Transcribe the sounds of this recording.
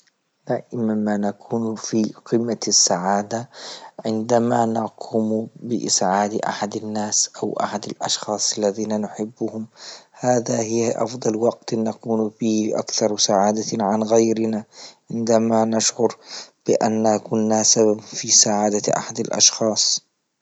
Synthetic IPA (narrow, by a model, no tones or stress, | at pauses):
d̪̥aːʔɪmamanakʰuːnfiqɪmːasːaʕaːd̪aʕɪnd̪amanaqʰʊmbɪʔɪ̰sʕaːd̪ʔa̰ħad̪anːaːsʔawʔa̰ħad̪alʔɑ̰ʃxɑːsˤʔalːaðiːnanʊħɪbːʊhʊmhaːðahɪʔɑ̰fd̪ˤɑlwɑɡt̪nakuːnfiːhʔa̰kθɑɾˤsaʕaːd̪aʕanɣajɾɪnaʕɪnd̪amanaʃʕʊɾb̥ɪʔa̰nːakʊnːasababfisaʕaːd̪aʔa̰ħad̪alʔɑ̰ʃxɑːsˤ